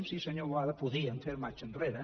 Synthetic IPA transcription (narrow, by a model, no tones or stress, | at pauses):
msisɐɲoɾβwaðɐpuðiɐnt̪eɾumat͡ʃɐ̃nreɾɐ